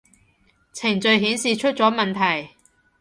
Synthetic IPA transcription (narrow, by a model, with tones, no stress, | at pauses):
t͡sʰɪ˨˩ŋt͡sɵ˨˧ɥɦiː˨˥nsiː˨t͡ʃʰɵ˥t̚t͡sɔː˨˥mɐ˨nt̪ʰɐ˨˩j